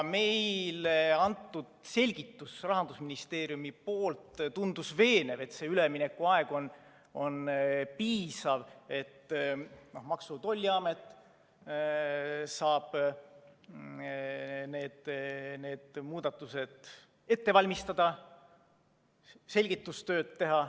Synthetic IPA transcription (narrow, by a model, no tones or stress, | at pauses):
me̞jleɑnt̪ˑːud̪̥se̞lʲɡit̪ːusrɑɦɑnd̪̥usminist̪e̞ːɾijumipoːlt̪t̪und̪̥usve̞ːne̞ve̞t̪ːse̞ːylemine̞kːˑuɑeɡ̥o̞n | o̞npiːsɑve̞t̪ːno̞hmɑksut̪o̞lʲːiɑme̞t̪ːˑ | sɑːb̥ | ne̞ːd̪̥ne̞ːd̪̥muːd̪̥ɑt̪ːˑuse̞d̪̥ | e̞t̪ːe̞vɑlʲmist̪ɑd̪̥ɑ | se̞lʲɡ̥it̪ːust̪ø̞ːd̪̥̚tːe̞ɦɑ